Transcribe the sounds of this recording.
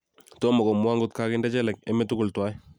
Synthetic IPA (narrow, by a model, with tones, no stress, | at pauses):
tɔ˦mɔ˨kɔ˨mwa˦ŋɡʊ˦t̚ka˦kɪ˦ndɛ˦t͡ʃɛ˦lɛ˨k̚ɛ˦mɛ˦tʊ˦kʊ˨ltwa˦j